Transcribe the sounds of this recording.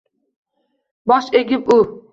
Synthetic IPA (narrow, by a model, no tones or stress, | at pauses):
bɒʃeɡʲɪp̚u